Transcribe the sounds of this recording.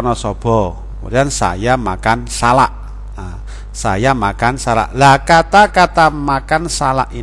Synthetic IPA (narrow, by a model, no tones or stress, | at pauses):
nɔsɔb̥ɔ̤ | mṵɾiansa̰jamakansalaʔ | a | sa̰jamakansala̰ʔlakat̪akat̪amakansala̰ʔi